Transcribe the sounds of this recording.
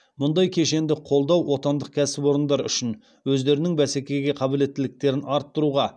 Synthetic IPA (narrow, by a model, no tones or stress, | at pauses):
mʊnd̪ɑjkʲʰe̞ʃe̞nd̪ɪqʰo̞lˠd̪ɑwwo̞t̪ɑnd̪əq̚kʲʰæsɪpwo̞ɾənd̪ɑɾʏ̰ʃɪn | wɵzd̪e̞ɾɪnɪŋbæsekʲe̞ɡʲe̞qʰɑbɪle̞t̪ːɪlɪk̚t̪e̞ɾɪnɑɾt̪ːʊɾuʁɑ